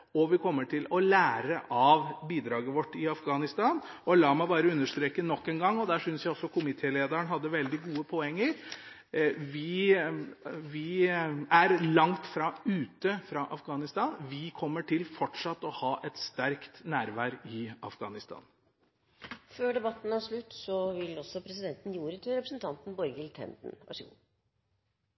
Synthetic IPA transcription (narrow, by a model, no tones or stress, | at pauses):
ɔʋɪkʰɔmːəʈʰɪlɔlæːɾəʔɑʋbiːd̪ɾɑːɡəʋɔʈːɪɑfɡɑːnɪst̪ɑːnɔlɑːmæɪbɑːɾəʉnːəʂt̪ɾeːkənɔkːeːnɡɑŋːɔd̪æːʂʏnsjæɪɔsːɔkʰʊmɪt̪ʰeːleːd̪əɾəɳɦɑd̪ːəʋɛld̪ɪɡuːəpʰɔɛŋːəɾ | ʋɪ | ʋɪæɾlɑŋt̪fɾɑʉːt̪əfɾɑʔɑfɡɑːnɪst̪ɑːnʋɪkʰɔmːəʈʰɪlfɔʈʂɑt̪ːɔhɑːʔɛt̪st̪æɾkt̪næːɾʋæːɾɪɑ̰fɡ̥ɑ̰ːnɪst̪ʰɑ̰ːn | føːɖɛbɑt̪ːn̩æʂɭʉt̪ːsɔʋɪlɔsːɔpʰɾɛsɪd̪ɛnt̪n̩juːɾət̪ʰyɾɛpɾəsnt̪ʰɑnt̪n̩bɔɾɡɪlt̪ʰɛ̰nd̪n̩ʋɑ̰ʂəɡṵː